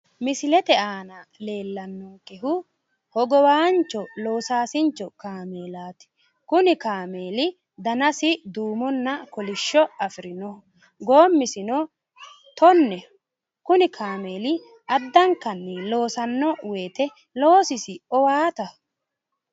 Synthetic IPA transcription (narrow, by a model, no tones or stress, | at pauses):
mɪsɪlɛt̪ɛaːnɐle̞ːlːɐnːɔkɛɦʊ | hɔɡɔwaːnt͡ʃɔloːsaːsɪnt͡ʃːɔkaːmeːlaːt̪ɪ̥ | kʊnɪkaːmeːlɪ | d̪ɐnɐsɪd̪uːmɔnːɐkɔlɪʃːɔɐfɪɾɪnɔ | ɡoːmːɪsɪnɔ | t̪ɔnːɛ | kʊnɪkʰaːme̞ːlɪ | ʔɐd̪ːɐŋkɐnːɛlo̞ːsɐnːɔweːt̪ɛ | loːsɪsɪɔwaːt̪ɐ